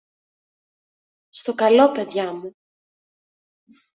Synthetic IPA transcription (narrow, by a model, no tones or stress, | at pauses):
st̪o̞kɐlo̞pe̞ðʝɐmu